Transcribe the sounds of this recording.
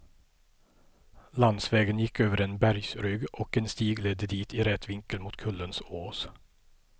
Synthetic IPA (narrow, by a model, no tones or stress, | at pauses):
lɑnsʋeːɡənjɪkøːʋəɾeːnbæɾɡsɾʏɡʔoːkeːnst̪iːɡlɛd̪əd̪iːt̪ʰiːɾɛt̪ʰʋɪŋkəlmuːt̪kʰʉlənsoːs